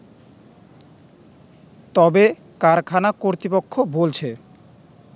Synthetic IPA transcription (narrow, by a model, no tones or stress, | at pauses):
t̪ɔbe | kaɾkʰanakoɾt̪ɾipokʰːobolt͡ɕʰe